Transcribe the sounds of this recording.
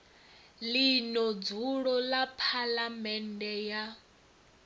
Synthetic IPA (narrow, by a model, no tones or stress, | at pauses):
linɔd͡zuɺɔlapʰalamɛndɛja